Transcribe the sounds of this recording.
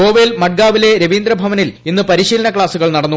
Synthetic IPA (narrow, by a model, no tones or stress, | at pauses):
o̞ːʋelmɐʈ̚ɡaːʋile̞ɾeʋiːnd̪ɾɐbʱɐʋɐnilinːɨpɐɾiɕiːlɐnɐkɭaːsuɣɐɭnɐɽɐnːu